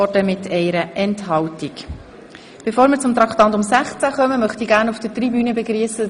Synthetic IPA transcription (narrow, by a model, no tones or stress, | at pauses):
ɔdəmɪtʰɛɪɾəʔɛnthɑwtik | b̥efoːɾmɪːɾt͡sʊmt̪ɾɑkt̪ɑntʊmsæχt͡sæχœməmœχtiɡæːɾnufd̥ətribyːnəbeɡriːəsə